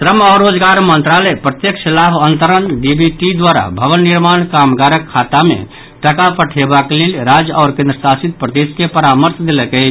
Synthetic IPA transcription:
t̪ɾəmɔːɾːod͡ʒɡaɾmənt̪ɾalɛpɾət̪jeksəlabənt̪əɾənɖibiʈid̪waɾa̰bʱəʋənːiɾmankamɡaɾəkʰːat̪amḛ | ʈəkapəʈʰebakelelɾad͡ʒɔːɾkẽnd̪ɾəsasit̪̚pɾət̪iskepəɾaməɾsd̪eləkəɦɪt͡ʃʰ

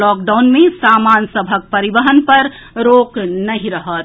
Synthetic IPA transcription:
ɔːk̚ɖaʊnmẽsaːmaːnsəbʱək̚pəɾibəɦənpəɾ | ɾoːknəɦĩɾəɦət̪

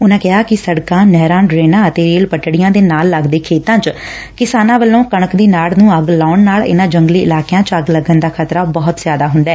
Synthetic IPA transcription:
ʊnãːkɪɦaːkɪsəɽkãːnɛːɾãːɖɾeːnãːət̪eːɾeːlpəʈɽɪjãːd̪eːnaːlːəɡd̪eːkʰeːt̪ãːt͡ʃ | kɪsaːnãːʋəlːõːkəɳ̃əkd̪iːnaːlnũːəɡlaːʊnnaːlɪ̰nãːd͡ʒəŋɡliːɪ̰laːkjãːt͡ʃəɡləɡənd̪aːkʰət̪ɾaːbɔːt̪zjaːd̪aːɦʊnd̪ɛː

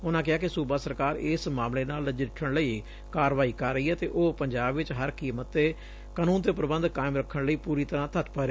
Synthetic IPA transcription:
ʊnãːkɪaːkɪsuːbaːsəɾkaːɾɪːsmaːmleːnaːlːəd͡ʒɪʈʰəɳləiː | kaːɾʋaːiːkəɾːəiːɛːt̪ḛːʔoːpəɲd͡ʒaːbʋɪt͡ʃɦəɾkiːmət̪ːeː | kənũːnt̪eːpəɾəbənd̪kaːɪmɾəkʰːəɳləiːpuːɾiːt̪əɾãːt̪ʰət̪pəɾeː

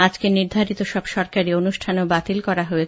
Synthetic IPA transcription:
ad͡ʑkeniɾd̪ʱaɾit̪oʃɔbʃɔɾkaɾionuʃʈʰanobat̪ilkɔɾaɦoe

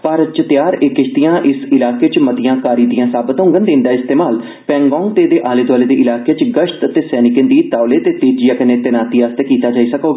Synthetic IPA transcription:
paɾt͡ʃət̪ɪjaːɾeːkːɪʃt̪ijãːʔɪsɪlaːkeːt͡ʃmət̪ɪjãːkaːɾiːd̪ijãːsaːbət̪ɦʊ̃ŋɡənd̪ẽːnd̪aːɪst̪eːmaːl | pɛ̃ːŋɡɔ̃ːŋɡ̚t̪eːd̪eːʔaːleːd̪ʋaːleːd̪eːʔɪlaːkeːt͡ʃɡəʃt̪ət̪eːsɛːnɪkə̃nd̪iːt̪aːleːt̪eːt̪eːd͡ʒijaːkəneːt̪enaːt̪iːaːst̪eːkiːt̪aːd͡ʒaːiːsəkoːɡ

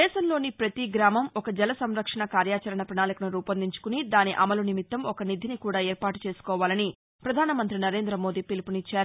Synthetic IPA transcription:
ɛːʃɐmlo̞ːnipɾɐt̪iɡɾaːmɐmɔkɐd͡ʒɛlɐsɐmɾɐkʂɐɳɐkaːɾjaːt͡ʃɐɾɐɳɐpɾɐɳaːlikɐnuɾuːpɐnd̪iɲt͡ʃu̥kunid̪aːniʔɐmɐlunimit̪ːɐmɔkɐnid̪ʱinikuːɽaːɛːɾpaːʈu̥t͡ʃe̞ːsu̥kɔːʋaːlɐni | pɾɐd̪ʱaːnɐmɐnt̪ɾinɐɾe̞ːnd̪ɾɐmo̞ːd̪iːpilipunit͡ʃːaːɾu

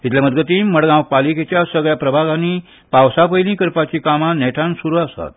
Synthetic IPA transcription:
ɦit̪leməd̪ɡət̪iməɽɡãwpaliket͡ɕjasəɡɭjapɾəbʱaɡãni | pawsapəjlĩkəɾpat͡ɕikamãnɛʈʰãnsuɾuasa̰t̪̚

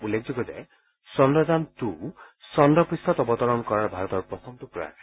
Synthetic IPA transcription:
ulːek̚ʰd͡ʒɔɡɔzḛ | sɔndɔzant̪u | sɔndɔpɹist̪ʰɔt̪ɔbɔt̪ɔɹɔnkɔɹaɹbʱaɾɔt̪ɔɹpɹɔsʰɔmt̪upɔja̰

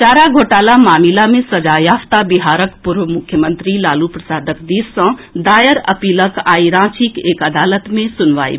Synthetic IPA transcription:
t͡ʃaɾaɡʱoʈalamaːmilamesəd͡ʒajaft̪abiɦaɾəkpuɾʋəmukʰjəmənt̪ɾilalupɾəsaːd̪əkd̪issːə̃d̪ajəɾə̰piləkaiɾãt͡ʃʰikekəd̪alət̪mesunʋa̰ḭ

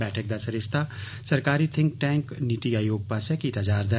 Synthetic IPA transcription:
bɛːʈʰək̚d̪asɐɾiɾt̪ʰa | sɐɾkaːɾit̪ʰɪ̃ŋk̚ʈɛ̃ːŋkniʈ̪iaːjoːɡ̚pasakit̪ɐd͡ʒaːɾd̪ɐ

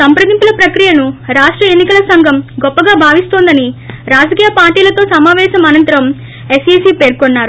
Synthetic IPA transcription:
sɐmpɾɐd̪impulɐpɾɐkɾijɐnuɾaːʂʈɾɐe̞nːikɐlɐsɐŋɡʱɐmɡɔpːɐɡaːbʱaːʋist̪oːnd̪ɐniɾaːd͡ʒɐkiːjɐpaːɾʈiːlɐt̪o̞ːsɐmaːʋɛːʃɐmɐnɐnt̪ɐɾɐm | e̞siːsiːpe̞ːɾkonːaːɾu

